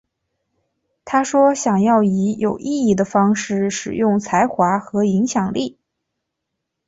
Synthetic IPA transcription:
t̪ʰa˥ʂwɔ˥ɕjɑ˨˩ŋjɑ˥˩ʊi˧˥jʔo˨˩ʊʔi˥˧i˥˩d̪ə˩fɑ˥ŋʂɻ̩˥˩ʂɻ̩˨˩jʊ˥˩ŋt͡sʰa˧˥ɪxwa˧˥xɤ˧˥i˧˥ŋɕjɑ˨˩ŋli˥˩

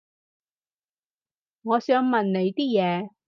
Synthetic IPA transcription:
ŋɔː˨˧sœː˨˧ŋmɐ˨nne˨˧jt̪iː˥jɛː˨˧

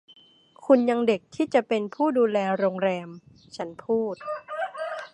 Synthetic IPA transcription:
kʰu˧nja˧ŋde˨˩k̚t̪ʰiː˥˩t͡ɕa˨˩ʔpe˧npʰuː˥˩duː˧lɛː˧ɾoː˧ŋɾɛː˧m | t͡ɕʰa˦˥npʰuː˥˩t̪̚

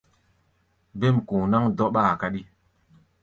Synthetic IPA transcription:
be˦˨m˨kũ˨na˦ŋdɔ˦ɓaː˦˨ka˦ɗi˦

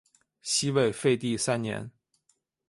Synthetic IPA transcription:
ɕi˥we˥˧ɪfe˥˧ɪt̪i˥˧sa˥nnjɛ̰˧˥n

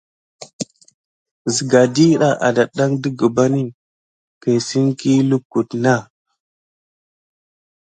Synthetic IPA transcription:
zi˨ɡa˨di˦ɗa˨ʔa̰˨da˨ɗa˦ŋdi˦ɡə˨ba˦ni˦ | ke˨si˦nki˦lu˦kːu˨tna˦˨

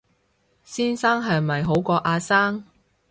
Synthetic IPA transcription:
siː˥nsaː˥ŋɦɐ˨jmɐ˨jɦo˨˥wkɔː˧ʔaː˧saː˥ŋ

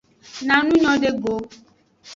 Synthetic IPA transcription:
nã˨nũ˦ɲɔ̃˦de˦ɡo˨˦

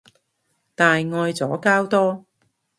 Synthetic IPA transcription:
t̪aː˨jŋɔː˧jt͡sɔː˨˥kaː˥wt̪ɔː˥

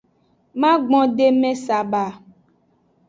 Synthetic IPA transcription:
mã˦ɡ͡bɔ̃˦ɖe˦mɛ̃˦sa˨ba˨

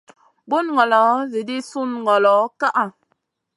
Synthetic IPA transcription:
bu˦n˨ŋɔ˨lɔ˨˦ze˨di˦su˦n˨ɡɔ˨lɔ˨˦ka˦ʔa˨

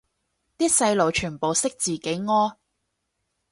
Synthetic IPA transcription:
t̪iː˥sɐ˧jlo˨˩wt͡ʃʰyː˨˩npo˨wsɪ˥k̚t͡siː˨˩ke˨˥jŋɔː˥

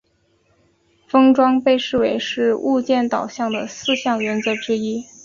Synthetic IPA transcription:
fɤ˥ŋʈ͡ʂwɑ˥ŋpe˥˧ɪʂɻ̩˥˩we˧˥ɪʂɻ̩˥˧u˥˧t͡ɕjɛ˥˩nt̪ɑ˨˩ʊɕjɑ˥˩ŋd̪ə˩sɹ̩˥˧ɕjɑ˥˩ŋɥɛ˧˥nt͡sɤ˧˥ʈ͡ʂɻ̩˥i˥

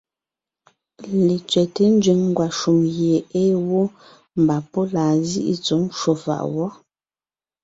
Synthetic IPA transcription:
le˨t͡ʃɥɛ˨te˦n̩˦d͡ʒɥi˨˦ŋŋ˦ɡwa˨ʃu˨mɣje˨eː˦wo˦ | m̩˨ba˨po˦laː˨zḭ˦ʔḭ˦t͡su˨˦mʃo˨fa̰˨ʔwɔ˦

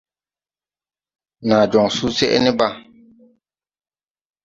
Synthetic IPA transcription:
na˨d͡ʒɔ˨ŋsu˦sɛ˦ʔɛ̰˦ni˦ba˦˨

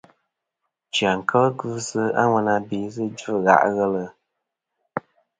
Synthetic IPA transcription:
t͡ʃi˨a˨ŋ̩˨kʰə˦lə˦ɡɨ˦sɨ˦a̰˦ŋʷɛ˦na˦biː˨˦zɨ˦d͡ʒɣa̰˨ʔɣɛ˦lə˨

